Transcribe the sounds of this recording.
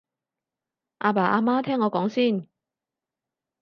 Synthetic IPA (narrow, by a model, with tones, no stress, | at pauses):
ʔaː˧paː˨˩ʔaː˧maː˥t̪ʰɛː˥ŋːɔː˨˧kɔː˨˥ŋsiː˥˩n